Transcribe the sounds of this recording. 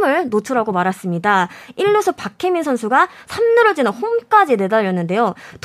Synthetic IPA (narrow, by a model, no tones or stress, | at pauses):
mɯɭnot͡ɕʰʌɾɦaɡomaɾas͈ɯmɲidaiʎːosʰʌpakʰeminsʰʌnsʰuɡasʰamnɯɾɯd͡ʑinɯnhomk͈ad͡ʑine̞daʎːjʌnːɯnde̞jot